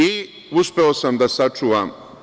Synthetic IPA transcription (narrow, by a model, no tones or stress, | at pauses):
i | uspe̞osamd̪asat͡ʂuːʋaːm